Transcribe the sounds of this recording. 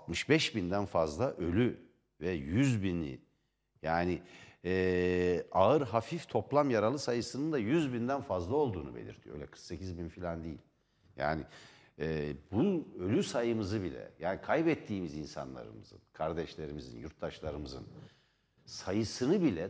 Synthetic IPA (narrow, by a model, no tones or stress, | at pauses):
at̪mɯʃbɛʃbind̪ænfazlˠaʔø̞lʲy | vɛjyzbinḭ | jaːnɪɛːaɯɾɦafift̪ʰo̞plˠamjaɾalˠɯsajɯsɯnɯnd̪ajyzbind̪ænfazlˠao̞lˠd̪uːnubelʲḭɾt̪ʰijøjlʲɛkʰɯ̥ɾkse̞cʰizbinfilʲand̪ijḭlʲ | ja̰ːni | ɛbuø̞lʲysajɯmɯzɯbilʲɛ̰jaːnikʰajbɛt̪ʰːiːmizinsa̰nlˠa̰ɾɯ̰mɯz̥ɯ̰nkʰaɾd̪ɛʃlʲe̞ɾimizḭnjuɾt̪d̪aʃlˠaɾɯmɯzɯ̰n | sajɯsɯnɯbilʲɛ